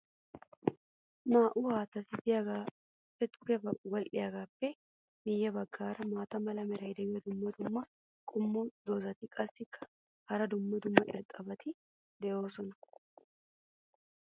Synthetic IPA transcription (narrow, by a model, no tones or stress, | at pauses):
maːʔʊhaːt̪ɐt̪ɪd̪ɪjaɡaː | pːɛt̪ʼʊ̥kɛbɐwɐlʔɪjaːɡaːpːɛ | mɪjːɐbɐɡːaːɾɐmaːt̪ɐmɐlɐmɛɾɐjd̪ɛmɐd̪ʊmːɐd̪ʊmːɐ | kʼʊmːud̪oːzɐt̪ɪkʼɐsːɪkːɐ̥ | hɐɾɐd̪ʊmːɐd̪ʊmːɐʔɪ̰ɾt̪ʼɐbɐt̪ɪ | d̪ɛʔo̞ːsɔnɐ